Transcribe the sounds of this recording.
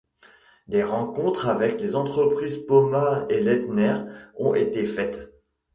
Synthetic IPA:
d̪eʁɑ̃kɔ̃t̪χavɛklezɑ̃t̪χəpχizpɔmaelɛt̪nɛʁɔ̃ʔet̪efɛt̪

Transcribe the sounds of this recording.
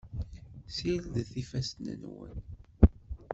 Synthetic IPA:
silðθifæst̪nə̰nwə̰n

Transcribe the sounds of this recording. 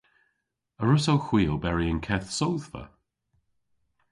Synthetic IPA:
əɹʊsowxw̥iːlˠbɛɹiənkʰɛθsowð̥və̰

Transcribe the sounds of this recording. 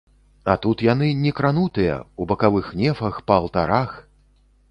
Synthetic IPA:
at̪ut̪janɨnʲɛkɾanut̪ɨjɐ̰ubɐkavɨxnʲɛfɐxpɐːlˠt̪a̰ɾax

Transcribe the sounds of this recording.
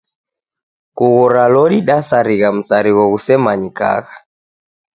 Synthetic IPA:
kuɣɔɾalɔɾiɗasaɾiɣam̩saɾiɣɔɣusɛmaɲika̰ɣa

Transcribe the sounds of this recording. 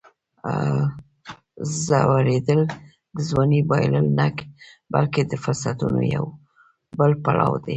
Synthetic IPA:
zawaɾed̪əl | d̪əzwɑnibɑjləlnakbalked̪əfʊɾsat̪uno̰jaw | bəlpalɑwd̪e

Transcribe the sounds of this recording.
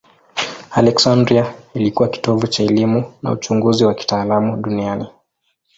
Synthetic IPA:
alɛksandɾiailikuwaki̥tɔvut͡ʃaɛlimuna̰ṵt͡ʃuŋɡuziwaki̥taːlamuɗuniani

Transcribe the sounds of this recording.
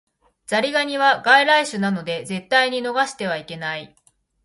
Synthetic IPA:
z̥aɾʲiɡaɲ̟iβaɡaiɾaiɕɨnano̞d̪e̞ze̞t̪ːaiɲ̟ino̞ɡaɕi̥t̪e̞β̞aike̞nai

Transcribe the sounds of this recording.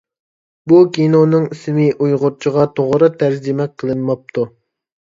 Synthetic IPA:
bukʲinonɨŋismɪʔujʁʊɾt͡ʃʰəʁɑt̪ʰoʁɾɨt̪ʰæɾd͡ʒimɛk̚ʲqʰəlˠɨnmɑp̚t̪ʰu

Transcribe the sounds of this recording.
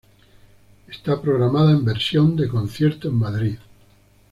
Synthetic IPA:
est̪apɾoɣɾamaðaembeɾsjond̪ekõn̟θjeɾt̪oemmaðɾið

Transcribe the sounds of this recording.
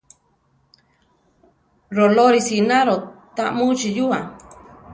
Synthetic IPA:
ɾoloɾisinaɾot̪aʔmũt͡ʃijua

